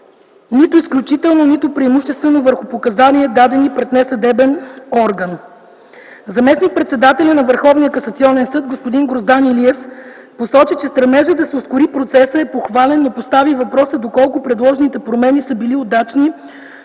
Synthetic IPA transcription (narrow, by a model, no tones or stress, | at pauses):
nit̪ʊisklʲut͡ʃit̪ɛlˠnonit̪ʊpɾiimuʃt̪ɛst̪vɛnovəɾxʊpokɐzanʲiɛd̪ad̪ɛnipɾɛt̪nɛsɐd̪ɛbɛnɔɾɡən | zɐmɛsnik̚pɾɛt̪sɛd̪at̪ɛlʲənɐvəɾxɔvnijəkɐsət̪siɔnɛnsɤt̪̚ɡospʊd̪inɡɾozd̪aniliɛf | posɔt͡ʃit͡ʃɛst̪ɾɐɾmɛʒəd̪ɐsɛʊskʊɾipɾot̪sɛsəɛpoxvalɛnːopost̪avivɐpɾɔsəd̪okɔlˠkʊpɾɛd̪lˠɔʒnit̪ɛpɾomɛnisəbiliod̪at͡ʃni